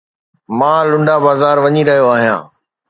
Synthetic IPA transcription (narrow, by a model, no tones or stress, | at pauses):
mãːlʊ̃ɳɖabaːzaːɾʋɐɲiɾɐɦijoaːɦijã̰ː